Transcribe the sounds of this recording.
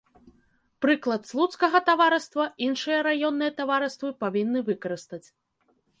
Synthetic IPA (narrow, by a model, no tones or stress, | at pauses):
pɾɨklˠɐt̪slˠut̪skɐɣɐt̪avaɾɨst̪vɐinʂɨjɐɾajɔnːɨjɐt̪avaɾɨst̪vɨpavʲinːɨvɨkɐɾɨst̪ɐt͡sʲ